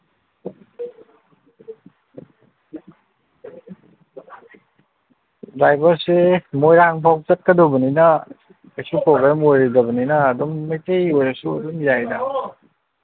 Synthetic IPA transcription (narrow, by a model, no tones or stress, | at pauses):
bajbɐɾsemojɾaŋpʰaw̚t͡ʃɐt̚kɐdobɐninɐ | ɐjsupɾoɡɾamojɾidɐbɐninɐːdumːɐjtejojɾɐsuɐ̰dumjajdɐ